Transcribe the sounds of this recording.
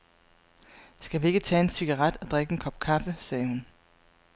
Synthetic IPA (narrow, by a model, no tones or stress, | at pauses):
sɡ̥æʋie̝ɡ̥ət͡sʰɛ̰ːe̝nsiɡ̥ɑʁad̥ɒd̥ʁeɡ̥əenkʰɒ̽b̥kʰɑ̈fəsɛːhun